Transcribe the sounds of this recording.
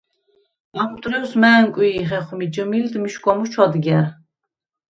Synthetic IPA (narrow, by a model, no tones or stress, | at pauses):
amt̪ʼɾɛwsmæːŋkʼwiːχɛχmid͡ʒəmild̪miʃkʼɔmut͡ʃʰɔd̪ɡɛɾ